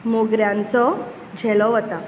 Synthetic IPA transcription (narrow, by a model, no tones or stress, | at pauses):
moɡɾjãnt͡sɔ | d͡ʑʱɛlɔɦət̪a